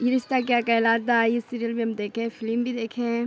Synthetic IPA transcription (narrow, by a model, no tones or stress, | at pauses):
ɪɾɪst̪ak̬jaːkɛlaːt̪d̪aisiːɾijəlbiɐmd̪eːkʰẽɛ̃fɪlmbʱid̪eːkʰẽɦɛ̃